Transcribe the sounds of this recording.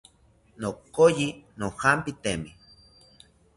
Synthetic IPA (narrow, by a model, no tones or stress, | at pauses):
nokːojinohampit̪emi